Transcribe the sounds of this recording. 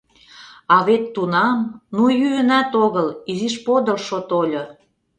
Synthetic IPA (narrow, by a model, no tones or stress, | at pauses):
ɑβet̪ːunɑmnujyənæt̪oɣəliziʃpod̪əlʃot̪olʲo